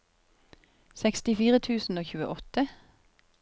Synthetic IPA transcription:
sɛkst̪ɪfiːʁət̪ʰʉːsn̩oːçʉːəʔɔt̪ə

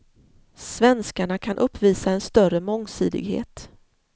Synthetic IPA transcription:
svɛnskaɳakʰanʔɵpʰːviːsaɛnst̪œrəmɔŋːsyːd̪ɪ̰ɡɦḛːt̪

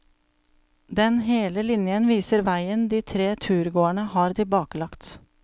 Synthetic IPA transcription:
d̪ɛnheːləlɪnjənʋiːsəɾʋæɪənd̪iːt̪ʰɾeːt̪ʰʉːɾɡoːəɳəhɑːɾt̪ʰɪlbɑːkəlɑkt̪

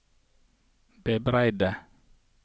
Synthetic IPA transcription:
bɛbɾajda

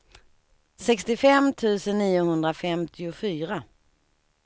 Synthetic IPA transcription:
sɛkst̪ɪfɛmt̪ʰʉ̟ːsənːiːʊhɵnd̪ɾafɛmt̪ʰɪʊfyːɾa

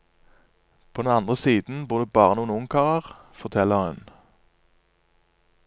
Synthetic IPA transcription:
pʰoːd̪ɛnɑnd̪ʁəsiːd̪n̩buːʁd̪ʉːbɑːʁənuːənʊŋkʰɑːʁəʁ | fɔʁt̪ʰɛləʁhʉn

